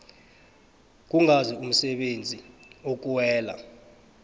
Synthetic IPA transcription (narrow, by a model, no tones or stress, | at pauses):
k̬uŋʱazium̩sɛɓend͡zʱʼiok̬ʼuwɛːla̰